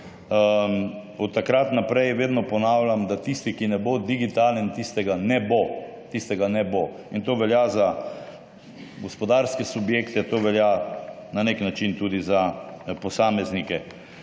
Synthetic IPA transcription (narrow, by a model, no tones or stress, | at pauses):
ɔt̪ːakɾat̪napɾɛjʋeːd̪nɔpɔnaːwlʲjamd̪at̪ist̪ikinɛbod̪iɡit̪alnɛnt̪ist̪ɛɡanɛbot̪ist̪ɛɡanɛbo | int̪oːʋɛljaza | ɡɔspɔd̪aːɾskɛsubjeːkt̪ɛt̪oːʋɛljananeknat͡ʃint̪uːd̪izapɔsaːmɛznikɛ